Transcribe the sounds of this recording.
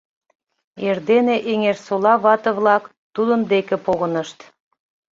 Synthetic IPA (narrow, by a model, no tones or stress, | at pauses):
erd̪eneʔeŋersolɑβɑt̪ə̆vlɑk | t̪ud̪ənd̪ekĕpoɣənəʃt̪